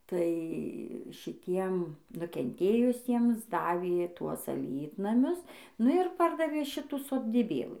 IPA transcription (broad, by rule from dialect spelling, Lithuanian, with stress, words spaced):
tɐɪ ʃʲɪˈtʲiɛm nʊkʲɛnʲˈtʲeːjʊsʲiɛms ˈdɑːʋʲeː ˈtuɔs ɐˈlʲiːtnɐmʲʊs ˈnʊ ɪr ˈpɐrdɐʋʲeː ˈʃʲɪtuː soːdʲiːˈbʲeːlˠɨ